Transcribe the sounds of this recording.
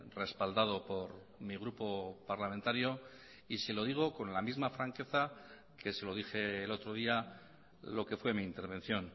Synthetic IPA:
re̞spald̪að̞o̞po̞ɾ | miɣ̞ɾupo̞paɾlament̪aɾjo̞ | iselo̞ðiɣ̞o̞ko̞nlamizmafɾaŋke̞θa | kʰe̞se̞lo̞ðixe̞ːlo̞t̪ɾo̞ð̞ia | lo̞ke̞fwe̞miːnt̪e̞ɾβẽ̞n̟θjo̞n

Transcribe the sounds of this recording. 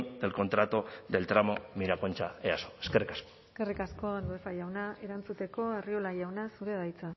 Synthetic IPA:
nd̪e̞lko̞nt̪ɾat̪oðe̞lt̪ɾamo̞miɾako̞nt͡ʃaeaso̞̥eskerikḁskoeke̞rikasko̞anuefajawnae̞ɾant͡sut̪e̞ko̞e̞riolaʝawnasuɾe̞ðajt͡sa

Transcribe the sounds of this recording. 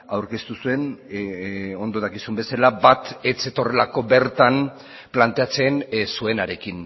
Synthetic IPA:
awɾke̞st̪usue̞n | o̞nd̪o̞ðakisumbe̞salabat̪et͡se̞t̪o̞re̞lako̞be̞ɾt̪an | plant̪e̞at͡sensue̞naɾe̞kin

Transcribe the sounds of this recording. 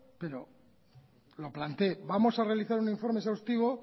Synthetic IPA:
pe̞ɾo̞ | lo̞plant̪e̞bamo̞sare̞aliθaɾuniɱfo̞ɾmesawst̪iβ̞o̞

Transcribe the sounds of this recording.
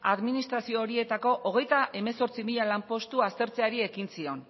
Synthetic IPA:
aðminist̪ɾasio̞ːɾie̞t̪ako̞ʔoɣ̞e̞jt̪aʔe̞me̞so̞ɾt͡simiʎalampo̞st̪uast̪e̞ɾt͡se̞aɾie̞kinsio̞n

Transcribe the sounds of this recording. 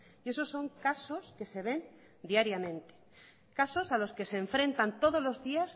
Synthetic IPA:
ie̞so̞sːo̞ŋkasoske̞se̞β̞e̞n | d̪iaɾjamẽ̞nt̪e̥ | kaso̞salo̞ske̞seːɱfɾe̞nt̪ant̪o̞ð̞o̞zlo̞zðias

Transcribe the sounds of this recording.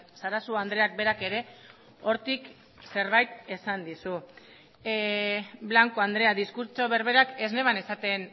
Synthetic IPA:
saɾasuand̪ɾe̞ak̚be̞ɾake̞ɾe̞ | o̞ɾt̪ik | se̞ɾβ̞ajt̪e̞sand̪isu | βlaŋko̞and̪ɾe̞aðiskuɾt͡ʃo̞βe̞ɾβe̞ɾake̞zne̞βane̞sat̪e̞n

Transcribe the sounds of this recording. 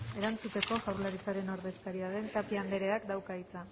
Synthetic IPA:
e̞ɾant͡sut̪e̞ko̞ʝawɾlaɾit͡saɾe̞no̞ɾðe̞skaɾiaðe̞nt̪apiand̪e̞ɾe̞akd̪awkait͡sa

